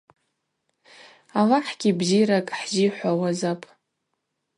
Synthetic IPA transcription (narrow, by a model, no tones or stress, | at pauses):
alaħɡʲibziɾakʼħziħʷawazapʼ